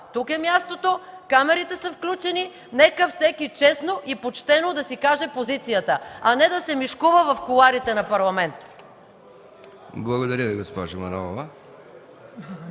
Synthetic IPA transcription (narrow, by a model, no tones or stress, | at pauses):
t̪ukɛmʲjast̪ot̪okamɛɾit̪ɛsɐfklʲut͡ʃɛni | nɛkəfsɛkit͡ʃɛsnoʔipot͡ʃt̪ɛnod̪ɐsikaʒɛpozit̪sijət̪əɐnɛd̪ɐsɛmiʃkuvəvɐfkulˠaɾit̪ɛnɐpɐɾlˠɐmɛnt̪ | blˠɐɡod̪ɐɾʲəviɡospɔʒomɐnɔlˠovə